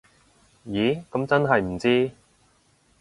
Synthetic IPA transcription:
jiː˨˥kɐ˨˥mt͡sɐ˥nɦɐ˨jm̩˨˩t͡siː˥

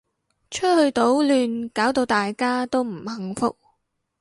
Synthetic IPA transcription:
t͡ʃʰɵ˥hɵ˧ɥt̪o˨˥wlyː˨˧nkaː˨˥wt̪o˧wt̪aː˨jkaː˥t̪o˥wm̩˨˩hɐ˨˧ŋfʊ̰˥k̚

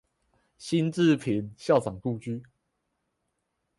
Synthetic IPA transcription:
ɕi˦˥nt͡s̩˥˨pʰi˨˦nɕjɑ˥˨ʊt͡sɑ˨˩ŋt̪u˥˨t͡ɕy˦

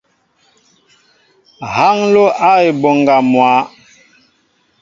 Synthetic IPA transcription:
ha˦ŋlo˦ʔa˦e˨bo˨ŋɡa˨mwa˨˦

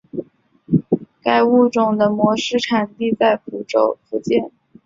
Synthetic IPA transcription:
ka˥˧ɪu˥˩ʈ͡ʂʊ˨˩ŋd̪ə˦mwɔ˧˥ʂɻ̩˥˩ʈ͡ʂʰa˨˩nt̪i˥˧t͡sa˥˩ɪfʰu˧˥ʈ͡ʂo˥˩ʊfu˧˥t͡ɕjɛ˥˩n

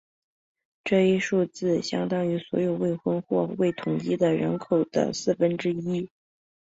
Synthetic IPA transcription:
ʈ͡ʂɤ˥˩i˥ʂu˥˧t͡sɹ̩˥˩ɕjɑ˥ŋt̪ɑ˥ŋy˧˥swɔ̰˧˥jo˨˩ʊwe˥˩ɪxwə˥nxwɔ˥˧we˥˩ɪt̪ʰʊ˨˩ŋt͡ɕi˥d̪ə˨ɻə̰˧˥nkʰo˨˩ʊd̪̥ə̰˦sɹ̩˥˩fə˥nʈ͡ʂɻ̩˥i˥

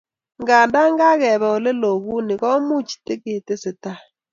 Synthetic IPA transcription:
ŋɡa˨nda˦ŋɡa˦kɛ˨βɛ˨o˨le˦lo˨ɣu˦ni˨kɔ˦mu˦t͡ʃi̥˨te˦ke˨te˦sɪ˨ta˦

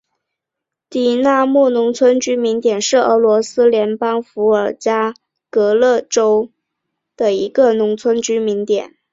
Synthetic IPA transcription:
t̪i˨˩na˥˧mu˥˩nʊ˧˥ŋt͡sʰwə˥nt͡ɕy˥mi˧˥nt̪jɛ˨˩nʂɻ̩˥˩ə̰˧˥lwɔ˧˥sɹ̩˥ljɛ˧˥npɑ˥ŋfu˧˥ə˞˨˩t͡ɕja˥ | kɤ˧˥lɤ˥˩ʈ͡ʂo˥ʊ | d̪̥ə˨i˧˥ɡə˧nʊ˧˥ŋt͡sʰwə˥nt͡ɕy˥mi˧˥nt̪jɛ̰˨˩˦n

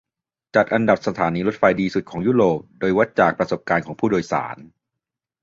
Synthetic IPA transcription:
t͡ɕa˨˩t̪̚ʔa˧nda˨˩p̚sa˧t̪ʰaː˩˦niː˧ɾo˦˥t̪̚fa˧jdiː˧su˨˩t̪̚kʰɔː˩˦ŋjuː˥˩ɾoː˨˩p̚doː˧jwa˦˥t̪̚t͡ɕaː˨˩k̚pɾa˧so˨˩p̚kaː˧nkʰɔː˩˦ŋpʰuː˥˩doː˧jsa̰ː˩˦n

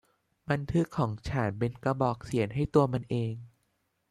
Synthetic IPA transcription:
ba˧nt̪ʰɯ˦˥kʰːɔː˩˦ŋt͡ɕʰaː˩˦npe˧nka˧bɔː˨˩k̚si˩˦ənɦa˥˩jt̪u˧ɐma˧nʔeː˧ŋ

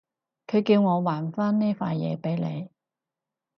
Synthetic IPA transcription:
kʰɵ˨˧ɥkiː˧wŋɔː˨˧waː˨˩nfaː˥nnɛː˥faː˧jjɛ̰ː˨˧pe˨˥jle˨˧j

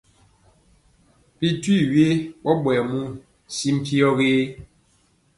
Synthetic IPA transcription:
pi˨twi˦˨we˦ɓɔ˦ɓwɛ˨mu˦˨ | si˦m̩˦pi˦ɔ˦ɣeː˦

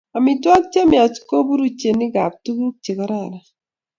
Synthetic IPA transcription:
a˨mi˨twa˦k̚t͡ʃa˦mja˨t͡ʃko˦bu˦ɾu˦t͡ʃe˨ni˦ɡa˨p̚tu˦ɡu˦k̚t͡ʃe˨ka˨˦ɾa˦˨ɾa˨

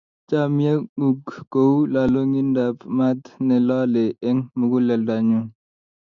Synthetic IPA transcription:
t͡ʃa˦mi˦ja˦ɗu˨ɡɡo˨wla˨lo˦ŋi˦nda˨pma˦tnɛ˨la˦lɛ˨ɛ˦ŋmu˨ɡu˦lɛ˨lda˨ɲu˦ŋ

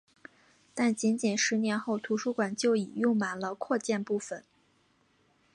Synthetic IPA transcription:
t̪a˥˩nt͡ɕi˧˥nt͡ɕi˨˩nʂɻ̩˧˥njɛ˧˥nxo˥˩ʊt̪ʰu˧˥ʂu˥kwa˨˩nt͡ɕjo˥˩ʊi˨˩jʊ˥˩ŋma˨˩nlə˧kʰwɔ˥˧t͡ɕjɛ˥˧npu˥˩fə˨˩˦n

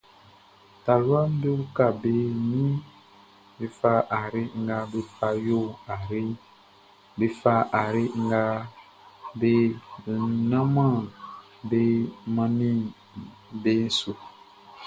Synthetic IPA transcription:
ta˨lwa˦m˦be˦u˦ka˨be˦nĩ˦ | be˨fa˦ʔa˨ɾi˦ŋ̩˦ɡa˧˦be˦fa˧jo˦˨a˨ɾi˦ | be˨fa˦a˨ɾi˦ŋ̩˦ɡa˦ | be˦˨ | nã˦mã˦˨ | be˦mã˦nĩ˦ | be˦n̩˦su˨

